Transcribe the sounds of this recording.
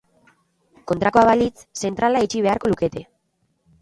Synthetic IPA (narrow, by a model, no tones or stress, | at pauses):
ko̞nt̪ɾako̞aβalit͡sse̞nt̪ɾalait͡ʃiβ̞e̞aɾko̞luke̞t̪e̞